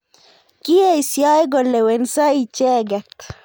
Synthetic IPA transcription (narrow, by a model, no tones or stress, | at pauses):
kieisjaeɡolewensait͡ʃeɡek